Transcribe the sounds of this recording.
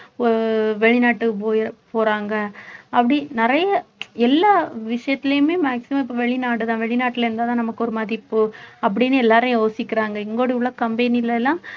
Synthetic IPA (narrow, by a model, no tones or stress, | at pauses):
ɔɾɯʋɛɭɪnaːʈːɯpoːpoːɾaːŋɡɐɐpːɐɽinɪɾɐjɐɛlːaːʋɪʂɐjɐt̪ːɪlɐjʊmeːmaːksɪmɐ̃mɪpːoːʋɛɭɪnaːʈɯt̪ãːʋɛɭɪnaːʈːɪlɐɾɯnd̪aːt̪ãːnɐmɐkːɔɾɯmaːðɾipːoːɐp̬ːɐɽɪnːɯɛlːaːɾɐ̃joːsɪkːɪɾaːŋɡɐɛŋɡoːɽɯʋɭːɐkɐmbɛnɪlːɐlːãː